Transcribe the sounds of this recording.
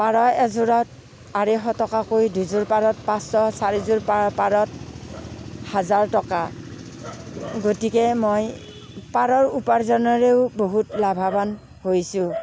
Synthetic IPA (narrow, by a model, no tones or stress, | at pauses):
paɹɔɛzʊɹɔt̚ | aɹexɔtɔkakojduzʊɹpaɹɔtpãsɔsaɹizʊɹpapaɹɔt | hazaɹtɔka | ɡotikɛmoj | paɹɔɹupaɹzɔnɔɹeʊboɦutlabʱaban | hojsʊ̃